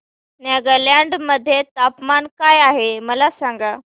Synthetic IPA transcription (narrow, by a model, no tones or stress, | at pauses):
naɡəɾljjaɳɖməd̪ʱːjet̪apmankajaɦeməlasãŋɡa